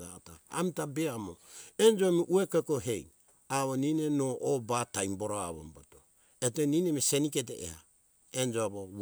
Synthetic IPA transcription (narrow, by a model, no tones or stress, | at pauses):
ata̰a̰mitabeamoend͡ʒoamiʔuekekoɦej | aβoninenobatajmboɾoaβo̰mbato | eteninemiseniket̬eḛha̰ | end͡ʒoaβo